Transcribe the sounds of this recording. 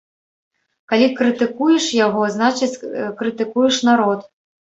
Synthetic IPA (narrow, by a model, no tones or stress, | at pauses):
kalʲikɾɨt̪ɨkujɛʂjaɣɔznat͡ʂɨt͡sʲkɾɨt̪ɨkujɛʂnaɾɔt̪